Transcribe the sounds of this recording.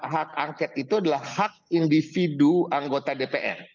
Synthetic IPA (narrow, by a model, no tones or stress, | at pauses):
ɦak̚aŋkɛt̪it̪uadalahhak̚indifiduaŋɡot̪adepeʔɛ̰r